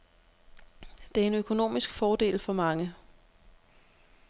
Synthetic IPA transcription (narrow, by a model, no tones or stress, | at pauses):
d̥e̝æɐe̝nøkʰo̝no̝̰ːmisɡ̥fɒːd̥e̝̰ːlfɒ̽mɑ̈ŋə